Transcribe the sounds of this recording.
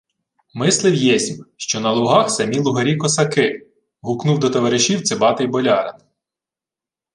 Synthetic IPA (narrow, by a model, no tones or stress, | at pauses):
mɪslˠɪwjɛsʲmʃt͡ʃɔnɐlˠʊɦɑxsɐmʲilˠʊɦɐɾʲikɔsɐkɪ | ɦuknuwd̪ɔt̪ɔʋɐɾɪʃiw̪t͡s̪ʲɪbɑt̪ɪjbɔlʲɑɾḛn